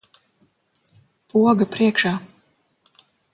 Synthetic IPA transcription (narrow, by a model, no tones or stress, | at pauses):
puɔɡapɾiɛkʃaː